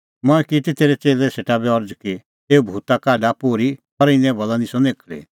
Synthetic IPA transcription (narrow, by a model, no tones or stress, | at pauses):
mɔɛkit̪it̪eːɾɛt͡seːlɛseːʈabɛɔɾd͡zki | eːubʱuːt̪akaːɖapoːɾipɔɾɪnɛ̃bɔlanisɔneːkʰlḛ